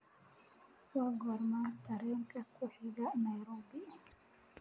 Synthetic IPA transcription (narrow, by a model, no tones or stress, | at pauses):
wɑɡɔrmat̪ʰɐɾɛːŋkʰɐkʰʊħɪɣɐnɐjɾɔːbɪ